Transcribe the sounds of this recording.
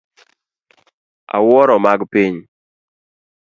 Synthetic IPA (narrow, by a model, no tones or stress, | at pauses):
a̰wɔɾɔmaɡpiɲ